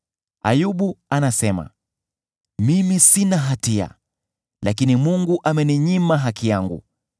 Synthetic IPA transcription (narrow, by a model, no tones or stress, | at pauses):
a̰juɓuanasɛma̰ | mimisinaɦatia̰ | lakinimuŋɡuʔamɛniɲimaɦakijaŋɡṵ